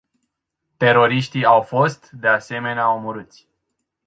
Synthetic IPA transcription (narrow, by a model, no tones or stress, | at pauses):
t̪e̞ɾo̞ɾiʃt̪iawfo̞st̪d̪e̞ase̞me̞neaomuɾɨt̪sʲ